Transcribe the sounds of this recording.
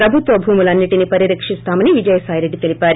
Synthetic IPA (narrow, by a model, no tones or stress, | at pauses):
pɾɐbʱut̪ʋɐbʱuːmulɐnːiʈinipɐɾiɾɐkʂist̪aːmɐniʋid͡ʒɐjɐsaːjɾeɖit̪e̞lipʲaːɾi